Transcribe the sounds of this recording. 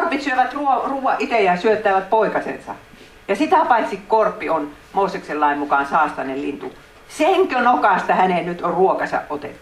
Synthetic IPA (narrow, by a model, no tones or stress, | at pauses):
rpit̪syøʋæt̪ruoruːʋɑʔʔit̪ejɑsyøt̪ːˑæːʋæt̪̚poikɑsḛnsɑ̰ | jɑsit̪æpɑit̪sikkorpːion | moˑːsekselːɑimmukɑˑnsɑːst̪ɑnellint̪u | seŋkønokɑˑst̪ɑhænennyt̪orruokɑsɑ̰ʔʔot̪ḛt̪ːu̥